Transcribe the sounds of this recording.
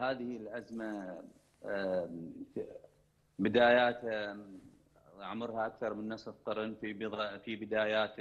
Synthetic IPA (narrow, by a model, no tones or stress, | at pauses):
haːðɪhɪlʔazma | bɪd̪aːjaːt̪ha | ʕmʊɾˤhaʔakθɑɾˤmɪnːɑsˤt̪ˤːɑɾnfifibɪd̪aːjaːt̪